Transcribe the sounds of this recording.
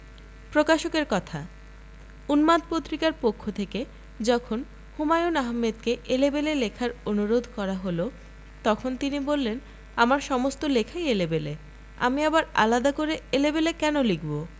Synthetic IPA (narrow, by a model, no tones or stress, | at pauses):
pɾokaʃokeɾkɔt̪ʰa̰ | unmad̪̚pot̪ːɾikaɾpokʰːot̪ʰeke | d͡ʑɔkʰon | humajunaɦmːed̪̚keʔelebelelekʰaɾonuɾod̪ʱkɔɾaɦolo | t̪ɔkʰont̪inibolːen | amaɾʃɔmost̪olekʰaeelebele | a̰miabaɾa̰lad̪akoɾeelebelekɛnolikbo